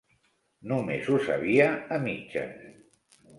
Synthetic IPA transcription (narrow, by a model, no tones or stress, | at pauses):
numezusa̰βiaəmit͡ʃə̰